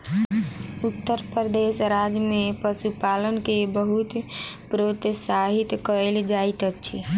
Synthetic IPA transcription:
ut̪ːəɾpɾɾəd̪eʃɾad͡ʒjmepəsupalənkebəɦut̪pɾot̪saɦit̪kəeld͡ʒait̪ət͡ʃʰḭ

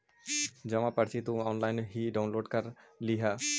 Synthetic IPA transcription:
d͡ʒɐmãpɐɽt͡ʃʰit̪ũɔːnlaːɪnɦiɖaʊnloːɖkɐɾliɦa

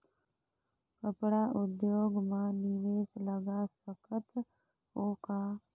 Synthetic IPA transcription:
kəpɽaːʔʊd̪joːɡmãnɪʋeːsləɡaːsəkʰət̪ | ɦoːkaː

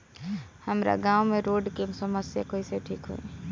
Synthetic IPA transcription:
hɐmɾa̰ɡãːumẽɾoːɖkemsɐməsjakoːiseʈʰiːkɦo̰e

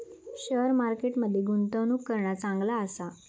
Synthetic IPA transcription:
ɕəɾmaɾkeʈməd̪ʱːjeɡunt̪əʋnukːəɾɳjat͡saŋɡlaəsa

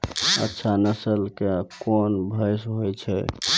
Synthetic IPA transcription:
ə̰tːʃʰanəsəlkekɔnbʱəjsɦojt͡ʃʰɛ̰

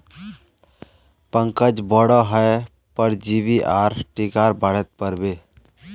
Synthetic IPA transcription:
pə̃ŋkəd͡ʒbəɽɔɦəe | pəɾd͡ʒiʋiʔaːɾʈikaːɾbəɽ̤ət̪̚pəɾbeː

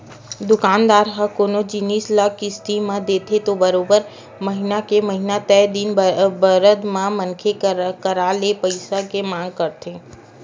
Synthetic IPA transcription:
d̪ʊkaːnd̪aːɾɦəkoːnod͡ʒɪniːslaːkʰːist̪imãd̪eːt̪ʰet̪obəɾoːbəɾ | məɦɪnakeməɦɪnat̪ɛd̪inbəɾəd̪mãmənkʰekəɾaːlepəɪsakemãːŋɡ̚kɐɾt̪ʰeː

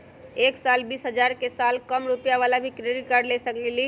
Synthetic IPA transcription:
eksalbisɦəd͡ʒaɾkesalkəmɾupijaʋalabʱikɾeɖiʈkaɾɖlesəkleli

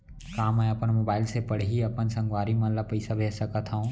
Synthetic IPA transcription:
kaːmɛ̃ːɐpənmoːbaːɪlsepɐɽ̤iiɐpənsɐ̃ŋɡʋaːɾimãlapɐisabʱeːsɐkat̪ʰaũː

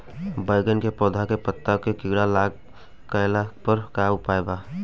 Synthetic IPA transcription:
bəjɡənkepɔːd̪ʱakepət̪ːakekɪɡɽalaːɡ | kəjlapəɾkaʊpaːjbaː

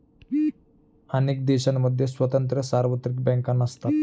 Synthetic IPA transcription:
anek̚d̪ɛɕanːəd̪ʱːjesʋət̪ənt̪ɾəsaɾʋət̪ɾik̚bɛ̃ŋkanəst̪at̪

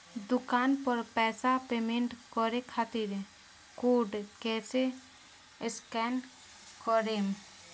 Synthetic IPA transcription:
d̪ʊkaːnpɔɾpɛːsapemeɳʈkɔɾekʰat̪iɾ | koːɖket͡ʃe | ɪskɛn | kɔɾem

